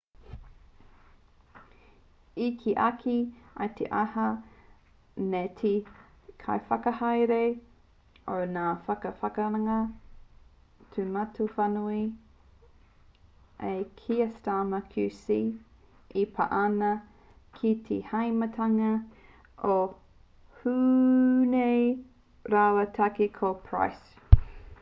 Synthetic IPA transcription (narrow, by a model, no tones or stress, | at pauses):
ikʰiʔakʰiɐ̰t̪ʰḛʔahɐ | netʰi | kʰa̰jfɐkɐhɐjɾe | onaːfɐkɐfɐkɐɾɐŋɐ | tʰumatufanui | ʔekʰiɐstaːmɐkʰʉsi | ipʰa̰ʔanɐ | kʰitʰḛhɐjmɐtʰɐŋɐ | o | huːnej | ɾawɐtʰakikʰopʰɹa̰js